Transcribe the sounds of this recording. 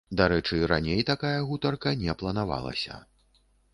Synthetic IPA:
d̪aɾɛt͡ʂɨɾa̰nʲejt̪akajɐɣut̪ɐrkɐnʲɛplˠɐnava̰lˠɐ̰sʲɐ̰

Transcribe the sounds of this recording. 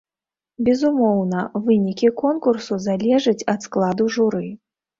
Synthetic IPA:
bʲɛzumɔwnɐvɨnʲikʲikɔnkursuzalʲɛʐɨt͡sʲɐt̪sklˠad̪uʐuɾɨ

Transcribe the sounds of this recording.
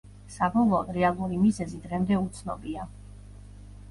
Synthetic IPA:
sabɔlˠɔːd̪ɾɛalˠuɾimizɛzid̪ʁɛmd̪ɛut̪sʰnɔ̰bia

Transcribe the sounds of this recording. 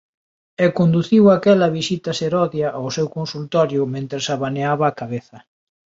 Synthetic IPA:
ɛkond̪uθiwakɛlɐβisit̪ɐseɾɔðjaʔawsɛwkonsult̪ɔɾjʊmẽnt̪ɾɪsaβaneaβaːkaβeθɐ

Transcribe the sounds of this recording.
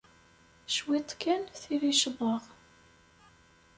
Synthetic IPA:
ʃwit̪ˤkʰːænθiviʃəðˤəʁ

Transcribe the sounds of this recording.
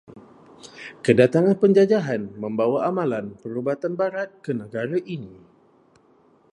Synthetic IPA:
kədat̪aŋanpəɲd͡ʒad͡ʒaɦanmə̃mbawaamãlanpəɾubat̪anbaɾat̪̚kənəɡaɾaʔini

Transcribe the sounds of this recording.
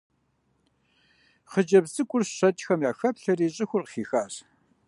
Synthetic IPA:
χəd͡ʒɐbzɨkʷʼʊrɕɐtʼxɐmjaːxɐpɬɐriːɕʼɪxʷʊrqəxiːxaːɕ

